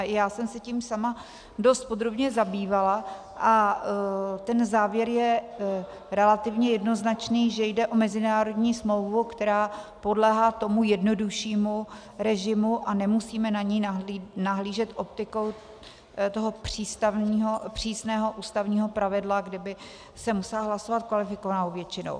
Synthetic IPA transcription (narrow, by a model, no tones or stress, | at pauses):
jaːsɛmsɛciːmsama | do̞st̪̚po̞d̪ɾo̞bɲɛzabiːvala | ʔa | t̪ɛnzaːvjɛɾjɛ | ɾɛlat̪ɪvɲɛjɛdno̞znat͡ʃniːʒɛjdɛʔo̞mɛzɪnaːɾo̞dɲiːsmlo̞wvukt̪ɛɾaːpo̞dlɛːɦaːt̪o̞mujɛdno̞duʃiːmu | ɾɛʒɪmuʔanɛmusiːmɛnaɲijnainaɦliːʒɛt̪ʔo̞p̚t̪ɪkow | t̪oɦopr̝̥iːst̪avniːɦopr̝̥iːsnɛːɦo̞ʔuːst̪avɲiːɦo̞pɾavɪdlaɡdɪbɪ | sɛmusɛlaɦlaso̞vat̪̚kvalɪfɪkovanaovjɛt͡ʃɪno̰w